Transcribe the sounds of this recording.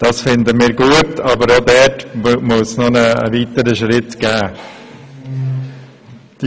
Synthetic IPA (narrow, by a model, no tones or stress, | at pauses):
d̥ɑsfɪndəmiːɾɡuətɑbəɾodɛtmʊsnɔnə̰ːviːtəɾəʃɾɪtɡ̥æː | d̥